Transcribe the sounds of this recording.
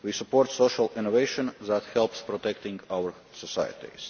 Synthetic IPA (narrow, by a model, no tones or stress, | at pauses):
wiːsupoɾt̪soʃalɪ̃nɔveɪʃɔ̃nðæt̪hɛlˠpspɾɔt̪ɛkt̪ĩŋɡawəɾ | sɔsa̰jə̰t̪ḭz̥